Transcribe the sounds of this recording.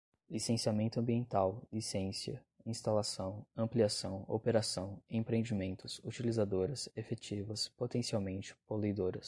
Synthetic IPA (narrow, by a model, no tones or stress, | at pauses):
lisẽsiamẽnt̪ʊɐ̃mbiẽnt̪awlisẽsiɐ | ĩst̪alasɐ̃w̃ɐ̃mpliasɐ̃w̃o̰peɾasɐ̃w̃ẽpɾeẽd͡ʒimẽnt̪ʊzut͡ʃilizad̪oɾɐsefet͡ʃivɐspot̪ẽsiawmẽnt͡ʃɪ̥polujd̪oɾɐs